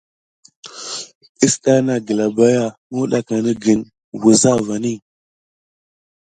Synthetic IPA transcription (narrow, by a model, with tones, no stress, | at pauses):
i˦sɗa˦na˨ɡə˨la˨ba˦ja˦˨mu˦ɗa˦ka˨nə˦ɡi˨n | wu˨za˦va˨ni˦˨